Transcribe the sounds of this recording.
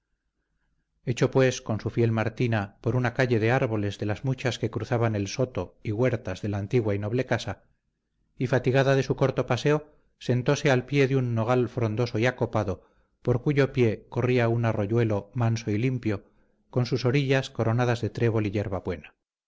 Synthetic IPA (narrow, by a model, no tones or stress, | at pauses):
e̞t͡ʃo̞pwe̞sko̞nsufje̞lmaɾt̪inapo̞ɾunakaʎe̞ðe̞aɾβo̞le̞zðe̞lazmut͡ʃaske̞kɾuθaβane̞lso̞t̪o̞iɣwe̞ɾt̪azðe̞laːnt̪iɣwaino̞β̞le̞kasa | ifat̪iɣ̞aðaðe̞suko̞ɾt̪o̞pase̞o̞ | se̞nt̪o̞se̞alpje̞ðeunːo̞ɣ̞alfɾo̞nd̪o̞so̞iako̞paðo̞ | po̞ɾkuʝo̞pje̞ko̞riaunaro̞ʝwe̞lo̞manso̞ilimpjo̞ | ko̞nsuso̞ɾiʎasko̞ɾo̞nað̞azðe̞t̪ɾe̞β̞o̞liʎe̞ɾβaβwe̞na